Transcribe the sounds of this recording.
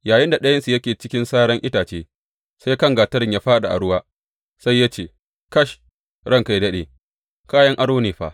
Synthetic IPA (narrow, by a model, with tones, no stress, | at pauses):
jaː˨jɪ˦nda˨ɗɐ˦jɐ˦nsu˨jɐ˦kʲeː˨t͡ʃɪ˦kʲɪ˦nsaː˦ɽɐ˦ŋʔɪ˦taː˨t͡ʃeː˦ | sa˦jkɐ˦ŋɡaː˨tɐ˦ɾɪ˨ɲjaː˦ɸaː˦ɗa̰˨ʔa̰˨ɽʊ˦waː˦ | sa˦jːa˦t͡ʃeː˨ | kɐ˦ʃ | ɽɐ˦ŋka˨jdɐ˦ɗḛː˨ | kaː˦jɐ˦ŋʔa˦ɽoː˦neː˨ɸa̰˨